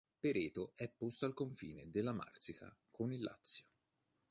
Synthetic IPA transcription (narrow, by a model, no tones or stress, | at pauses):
peɾeːt̪oʔɛpːost̪oalkoɱfḭːned̪elːama̰rt̪sika̰kʰonilːa̰t̪sːjo̥